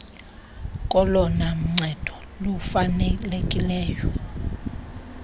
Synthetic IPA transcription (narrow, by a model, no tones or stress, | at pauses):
kʼɔlɔnam̩ŋ͡ǀʱɛd̥ʱɔ | lufanɛlekʼilɛːjɔ